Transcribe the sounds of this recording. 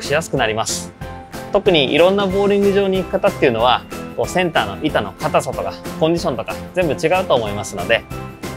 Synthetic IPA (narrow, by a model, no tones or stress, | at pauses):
kɯ̥ɕijasɨ̥kɯ̟naɾʲimasɨ̥t̪o̞kɯ̟ɲ̟iʔḭɾõ̞nːabo̞ːɾʲĩŋɡɯ̟ʑo̞ːɲ̟iːkɯ̟̥kat̪at̪ːeiɯ̟no̞β̞ako̞ːsẽ̞nt̪aːno̞̰ʔit̪ano̞̰kat̪asot̪o̞kakoɲ̟d͡ʑiɕõ̞nt̪o̞kazẽ̞mbɯ̟t͡ɕiɡaɯ̟t̪o̞ːmo̞imasɨno̞d̪e̞